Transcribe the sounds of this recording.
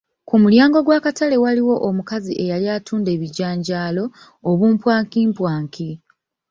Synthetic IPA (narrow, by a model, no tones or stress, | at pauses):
kumuljaːŋɡo̞ɡwaːkatale̞waliwo̞ʔomukaziʔe̞jaljaːtʰuːnde̞ːβiɟaːɲɟaːlo̞ː | βuːmpwaːŋkiːmpwaːŋki